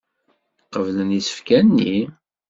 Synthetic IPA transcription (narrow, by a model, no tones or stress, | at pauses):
qːəvlənisə̥fkænːi